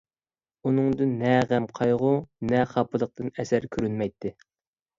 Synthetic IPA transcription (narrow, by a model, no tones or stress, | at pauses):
unɨŋd̪ɨnːɛʁæmqʰɑjʁʊnɛχɑpʰɨlˠəq̚t̪ɨnɛsæɾkʲʰyɾynmɛjt̪ʰːɪ